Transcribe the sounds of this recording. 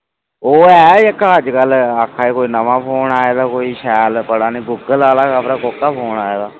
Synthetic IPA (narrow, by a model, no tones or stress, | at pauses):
oːɛːɪkːəd͡ʒkəlakʰːaːiːkoːiːnəʋãːpʰoːnaːeːd̪aːkoːiːʃɛːlpəɽaːnĩːɡʊːɡəlaːlaːkaːpɾaːkoːkːaːpʰoːnaːeːd̪aː